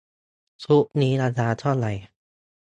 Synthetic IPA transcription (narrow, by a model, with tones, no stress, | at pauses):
sʰu˦˥ʔniː˦˥ɾaː˧t͡ɕʰaː˧t͡ɕʰɔ˥˩nla˨˩j